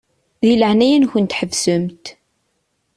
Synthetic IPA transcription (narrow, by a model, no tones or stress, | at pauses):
ðiləʕnæjənçənt̪ħəvsəmt̪